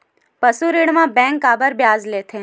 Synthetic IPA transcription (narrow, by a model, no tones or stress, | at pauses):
pəsuɾiɽmãbɛ̃ŋkabəɾbjazlet̪ʰẽ